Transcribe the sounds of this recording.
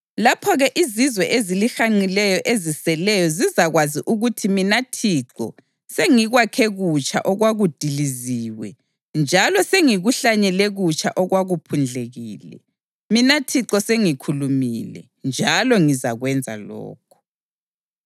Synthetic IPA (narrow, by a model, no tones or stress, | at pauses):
lapʰɔɣɛʔizizwɛʔezilixaŋ͡ǀilɛjɔʔezisɛlɛjɔzizaɣwaziʔuɣutʰiminatʰiǁɔ̰ | seŋiɣwakʰeɣut͡ʃʰʼa̰ʔɔɣwaɣud̥ʱiliziwɛ̰ | nd͡ʒʱalɔseŋiɣuɬaɲɛlɛɣut͡ʃʰʼaʔɔɣwaɣupʰund͡ɮʱeɣiːlɛ̰ | minatʰiǁɔseŋikʰulumilɛ̰ | nd͡ʒʱalɔŋiza̰ɣwɛnd͡zʱa̰lɔ̰ːk̚ʰɔ̥